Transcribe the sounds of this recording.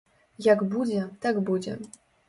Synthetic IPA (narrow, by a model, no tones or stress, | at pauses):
jaɡbud͡ʑɛt̪aɡbud͡ʑɛ̰